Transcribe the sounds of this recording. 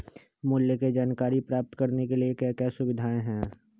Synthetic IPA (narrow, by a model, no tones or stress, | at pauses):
mʊljəked͡ʒaːnkaːɾipɾaːp̚t̪kɐɾnekeliekjaːkjaːsʊʋɪd̪ʱaːẽɦɛ̃ː